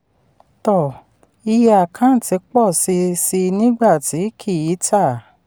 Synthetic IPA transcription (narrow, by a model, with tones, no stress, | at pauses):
tɔ˨ | i˧ja˨kʰã˨˦n̩˦˨ti˨˧˦k͡pɔ˦˨si˧si˧nĩ˦ɡ͡ba˦˨ti˨˦kʰi˦˨ji˨˦tʰa˦˨